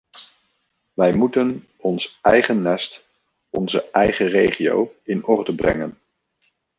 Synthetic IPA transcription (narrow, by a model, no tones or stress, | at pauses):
ʋɛjmutən | ɔnsɛjχənːɛst | ɔnzəʔɛjχərejχio̰wɪnɔrdəbrɛ̰ŋən